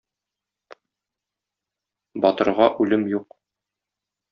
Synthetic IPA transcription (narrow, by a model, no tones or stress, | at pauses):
bɒt̪ɤ̆ɾʁɑʔʉlɘmjuq